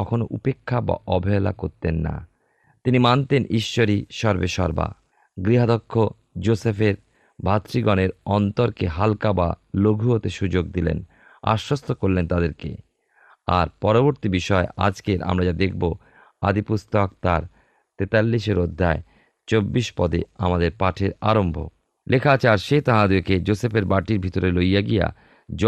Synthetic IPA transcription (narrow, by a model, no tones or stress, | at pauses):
ɔkʰonoʔupekʰːaba̰ʔɔbʱɔela̰koɾt̪enːa̰ | t̪inimant̪enʔiʃːoɾiʃɔɾbeʃɔɾba̰ | ɡɾiɦad̪okʰːo | d͡ʑosefeɾ | bʱat̪ɾiɡɔneɾɔnt̪oɾkeɦalkaba̰loɡʱuɦot̪eʃud͡ʑoɡd̪ilḛn | a̰ʃost̪ʰokoɾlent̪ad̪eɾkḛ | aɾpɔɾoboɾt̪ibiʃɔea̰d͡ʑkeɾa̰mɾad͡ʑad̪ek̚ʰbo | a̰d̪ipust̪ɔk̚t̪aɾ | t̪et̪alːiʃeɾod̪ʱːae | t͡ɕobːiʃpɔd̪ea̰mad̪eɾpaʈʰeɾaɾombʱo̰ | lʔekʰat͡ɕaɾʃet̪aɦãd̪ueked͡ʑosepeɾbaʈiɾbʱit̪oɾelojaɡija̰ | d͡ʑ